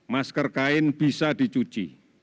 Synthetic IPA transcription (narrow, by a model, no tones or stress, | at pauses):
maskərkaɪnb̥isad̪i̤t͡ʃut͡ʃḭ